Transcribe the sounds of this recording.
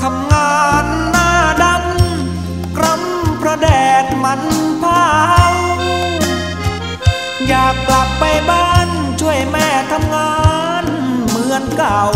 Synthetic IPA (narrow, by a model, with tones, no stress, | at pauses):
t̪ʰa˧mŋaː˧nːaː˥˩da˧˥m | kɾa˧˥˩m | pʰɾɔ˧˥dɛː˨˩t̪̚ma˧˥npʰaː˧˥˩ʔa˧ | jaː˨˩k̚ːla˨˩k̚pa˧jbaː˥˩n | t͡ɕʰu˥˩əjmɛː˧˩t̪ʰa˧mŋaː˧ | nmɯ˧˦ənkaː˨˩w